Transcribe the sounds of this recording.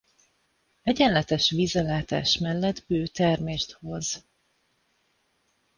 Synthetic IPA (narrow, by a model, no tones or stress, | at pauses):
ɛɟɛnlɛt̪ɛʃʋiːzɛlaːt̪a̰ːʃmɛlːɛd̪bøːt̪ɛrmeːrt̪ho̞z